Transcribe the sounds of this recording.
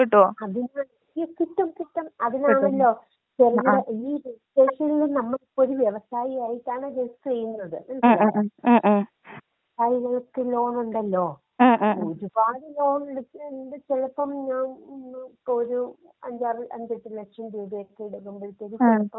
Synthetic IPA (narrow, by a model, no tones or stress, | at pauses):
kiʈːuoɐðinaːɳ | okiʈːɐmkiʈːɐmɐðinaːɳɐlːo̞ː | t͡ɕerɐɣɐɭɐiːɾiseːʂɐilnɐmːɐɭipːoɾuʋjeʋɐsaːjijaːjiʈːaːɳɨɾest͡ɕejːunːɐðɨnɐmɐː | ɐsaːjiɣɐɭkːelo̞ːnuɳɖɐlːo̞ː | uɾubaːðɨlo̞ːnuɖɖɨt͡ɕelɐpːɐmɲaːnipːooɾu | ɐɲd͡ʑaːriʔɐɲd͡ʑɐʈːɨlekʂɐmduːbijokːeɽuɣumboɭit̪ːoɾut͡ɕelɐpːɐm